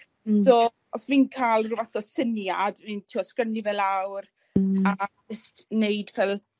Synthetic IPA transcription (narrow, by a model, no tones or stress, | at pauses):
doː | ɔsvinkʰaːlˠrɪvaθɔsənjadvintʰiɔskrənivɛlˠawr | a | ɛstnejdvɛlˠ